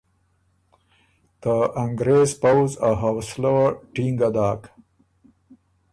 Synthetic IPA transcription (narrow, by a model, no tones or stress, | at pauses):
t̪əʔaŋɡɾeːzpawzaɦawsloʈiŋɡad̪aːk